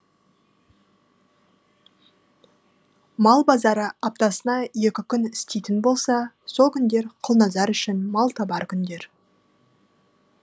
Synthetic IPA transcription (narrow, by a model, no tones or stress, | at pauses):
mɑlˠbɑzɑɾəɑp̚t̪ɑsənɑje̞kʲɪkʲʰʏnɪst̪ejt̪ɪnbo̞lˠsɑ | so̞lˠkʲʰʏnd̪e̞ɾqʰʊlˠnɑzɑɾʏʃɪnmɑlˠt̪ʰɑbɑɾkʲʰʏnd̪e̞ɾ